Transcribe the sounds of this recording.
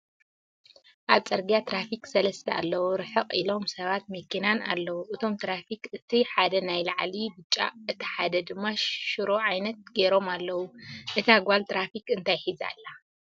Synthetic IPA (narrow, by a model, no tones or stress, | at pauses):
ʔaβt͡sʼɐɾɡijat̪ʰɾafiksɐlɐst̪ʰɐa̰lːɐwuɾɨħɨqʼḭlo̞msɐβat̪̚mɐkːinana̰lːɐwuʔɨt̪ʰo̞mt̪ʰɾafikɨt̪ʰiħad̪ɐnajlaʕlibɨt͡ʃʼːa̰ɨt̪ʰi̥ħad̪ɐd̪ɨmːaʃʃɨɾoʕajnɐt̪̚ɡeɾo̞malːɐwuʔɨt̪ʰaɡalt̪ɾafikɨnt̪ʰajħiza̰lːa